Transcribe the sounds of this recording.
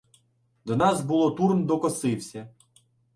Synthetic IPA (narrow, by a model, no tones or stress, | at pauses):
d̪ɔnɑzbulˠɔt̪urnd̪ɔkɔsɪwsʲɐ